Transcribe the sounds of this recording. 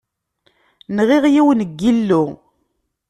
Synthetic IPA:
nʁɪʁjiwnəɡːilːʊ

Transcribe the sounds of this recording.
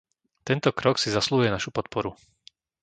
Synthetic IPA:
t̪ɛnt̪ɔkɾɔksizasluːɦʊjɛnaʃupɔt̪̚pɔɾu

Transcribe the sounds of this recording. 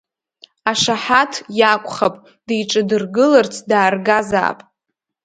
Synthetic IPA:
aʂaħatʰjakʷʼχapʼ | dejʈ͡ʂʼɨdɨrɡɨlart͡sʰdaːrɡaza̰ːpʼ

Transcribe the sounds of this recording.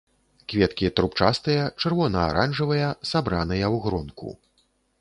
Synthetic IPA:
kvʲɛt̪kʲit̪ɾupt͡ʂast̪ɨjɐt͡ʂɨrvɔnɐa̰ɾanʐɨvɐjɐsabɾanɨjɐwɣɾɔnkṵ

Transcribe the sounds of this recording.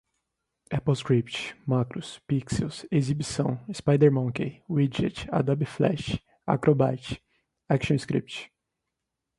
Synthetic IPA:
ɛpowskɾipt͡ʃɪ̥makɾʊspiksewsezibisɐ̃w̃ispajd̪eɾmɐ̃kewid͡ʒɛ̰t͡ʃa̰d̪abiflɛ̰ʃ | a̰kɾʔoba̰t͡ʃɪ̥ | ɛkʃõskɾḭp̚t͡ʃ

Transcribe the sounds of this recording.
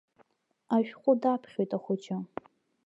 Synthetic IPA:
aɥᶣχʷʼʊdapʰχʲojtʼaχʷʊt͡ʃa

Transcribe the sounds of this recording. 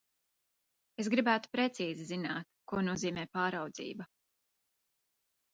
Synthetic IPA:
e̞s̬ɡɾibæːt̪u̥pɾe̞t̪siːzizinaːt̪kuɔnuɔziːmɛːpaːɾawd̪zḭːbɐ

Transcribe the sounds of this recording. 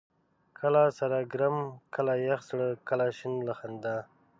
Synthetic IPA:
kʰəlasaɾaɡɾamkʰəlajaxsɽəkəlaʃɪnlaxand̪a

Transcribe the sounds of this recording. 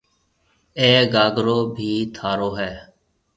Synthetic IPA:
eːɡaːɡɾoːbʱiːt̪ʰaːɾoːɦɛː

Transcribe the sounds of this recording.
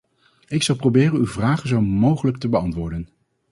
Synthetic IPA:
ɪksɑlˠprowbɪːrənywvraːχənzowmowχələk̚təbəɑntʋʊːɹdən

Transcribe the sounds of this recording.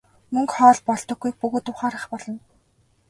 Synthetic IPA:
mɵŋkχɔːɮpɔɮ̥t̪ɞ̆ɡːujk̚pɵɣoːt̪ʊːχaːɾə̆χpɔɮɞ̆n

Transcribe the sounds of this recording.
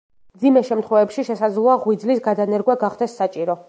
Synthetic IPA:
md̪zimɛʃɛmt̪ʰχwɛvɛpʃiʃɛsad̪zlˠɔaʁwid̪zlisɡad̪anɛɾɡwɛɡaχd̪ɛsːat͡ʃʼiɾɔ

